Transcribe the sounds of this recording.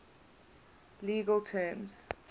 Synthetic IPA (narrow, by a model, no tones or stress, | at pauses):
liːɡəltʰɛːmz̥